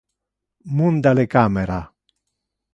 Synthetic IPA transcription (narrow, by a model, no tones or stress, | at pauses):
mund̪alekameɾa